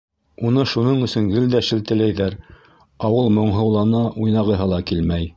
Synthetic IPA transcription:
unɤʃunɤɴɵ̆sɵŋɡɘ̆ld̪æʃɘ̆lt̪ɘ̆læjðæɾ | ɑwɤlˠmŏɴɦɤ̆wlˠɑnɑʔujnɑʁɤ̆ɦɤlˠɑkilmæj

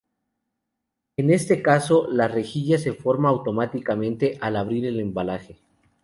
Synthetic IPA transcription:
e̞ne̞st̪e̞kaso̞lare̞xiʝase̞fo̞ɾmaːwt̪o̞mat̪ikamẽ̞nt̪eʔalaβ̞ɾiɾe̞le̞mbalaxe̞

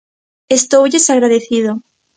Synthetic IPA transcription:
est̪owʝesaɣɾaðeθið̞o

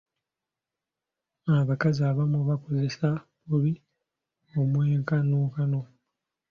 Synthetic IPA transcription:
aβakaziaːβamuβako̞ze̞saβuβi | omweːŋkanoːkano̞

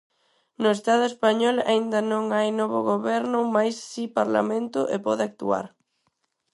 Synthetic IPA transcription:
nʊest̪aðʊespaɲɔla̰ind̪ɐnõŋajnɔβʊɣoβɛɾnʊmajsːipaɾla̰mẽnt̪ʊʔepɔðɪak̚t̪ṵa̰ɾ

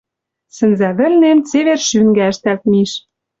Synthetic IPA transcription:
sɘ̆nzæβɘ̆lnemt͡seβerʃyŋɡæɘ̆ʃt̪ælt̪̚miʃ

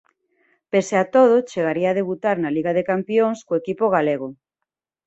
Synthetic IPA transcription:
peseat̪oð̞ʊt͡ʃeɣaɾiaaːðeβut̪aɾnaliɣaðekampjoŋskoekipoɣ̞aleɣ̞o

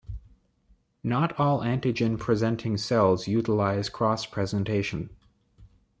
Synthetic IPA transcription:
nəɾɔlˠæ̃ntɨd͡ʒɨ̃npʰɹ̥izɛ̃ntʰɪ̃ŋsɛlˠzjʉɾəlaɪz̥kʰɹ̥ɔspʰɹ̥ɛzɨ̃ntʰeɪʃɨ̃n

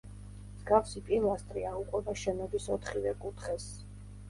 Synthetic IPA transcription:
mzɡafsipʼilˠast̪ʼɾiauqʼwɛbaʃɛnɔbisɔt̪ʰχivɛkʼut̪ʰχɛs

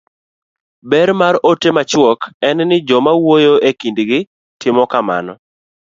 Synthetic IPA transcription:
bɛɾmaɾotemat͡ʃwɔkɛnnɪd͡ʒɔmawojoʔekindɡɪ | tʰɪmɔkama̰nɔ

